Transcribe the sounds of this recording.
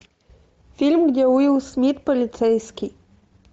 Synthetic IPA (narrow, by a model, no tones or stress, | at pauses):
fʲilʲmɡdʲɛujiwsmʲit̪pɔlʲit̪sɛjskʲi